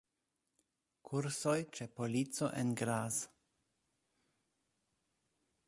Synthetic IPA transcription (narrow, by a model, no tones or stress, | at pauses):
kʰuɾsojt͡ʃe̞po̞lit͡so̞̰ʔḛnɡɾaz